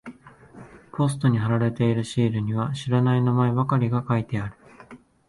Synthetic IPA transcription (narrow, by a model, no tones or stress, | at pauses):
po̞sɨ̥t̪o̞ɲ̟iɦaɾaɾe̞t̪e̞iɾɯ̟ɕiːɾɯ̟ɲ̟iβ̞aɕiɾanainamaebakaɾʲiɡakait̪e̞aɾɯ̟̥